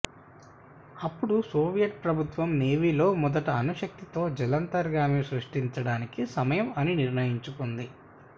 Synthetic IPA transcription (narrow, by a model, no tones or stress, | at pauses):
ɐpːuɽusoːʋijɐʈ̚pɾɐbʱut̪ʋɐmne̞ːʋilo̞ːmɔd̪ɐʈɐɐnuʃɐk̚t̪it̪o̞ːd͡ʒɛlɐnt̪ɐɾɡaːmisɾuʂʈiɲt͡ʃɐɽaːnikisɐmɐjɐmɐniniɾnɐjiɲt͡ʃukund̪i